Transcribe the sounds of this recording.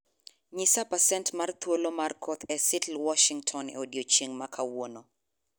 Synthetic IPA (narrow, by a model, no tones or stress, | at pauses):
ɲɪsapasɛntmart̪wolomarkʰɔt̪ʰɛsɪtlwɔʃiŋtʰɔnɛ̰odjot͡ʃiŋmakʰawono